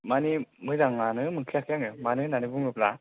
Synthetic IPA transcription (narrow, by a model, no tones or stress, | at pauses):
manimɯzaŋnanɯmɯŋkʰiakʰjaŋɯmanɯnanibuŋɯpla